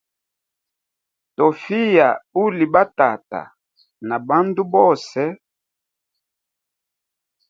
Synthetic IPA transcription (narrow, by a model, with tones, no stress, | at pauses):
to˨fi˦ja˨u˦li˨ba˦ta˨ta̰˨ | na˨ba˦ndu˦bɔ˦˨sɛ˦